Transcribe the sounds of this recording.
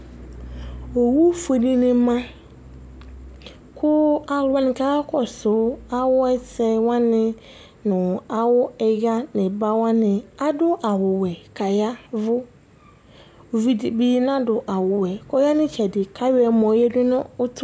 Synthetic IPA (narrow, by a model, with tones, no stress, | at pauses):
o˨wu˦fo˨nĩ˦nɪ̃˦mã˦ | kʰʊ˦a˨lʊ˨˦a˦nɪ̃˨kʰa˦a˦kʰɔ˨sʊ˨˦a˦wʊ˦ɛ˦sɛ˨wã˦nɪ̃˦ | nʊ̃˨a˨wʊ˦ɛ˨ɡa˦nɪ̃˨ba˦wã˦nɪ̃˨a˦dʊ˦ʔa˨wʊ˨wɛ˨kʰa˨ja˦vʊ˦ | o˨vi˦di˨bi˦nã˦dʊ˨ʔa˨wʊ˨wɛ˨kʰɔ˦ja˦nɪ̃˦t͡ɕʰɛ˨dɪ˨kʰa˦ɥɛ˨mɔ̃˨jɛ˦dʊ˦nʊ̃˦ʊ˦tʰʊ˦